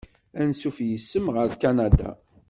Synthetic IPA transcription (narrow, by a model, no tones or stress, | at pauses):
ænsufjəsːəmʁəɾkːanad̪a̰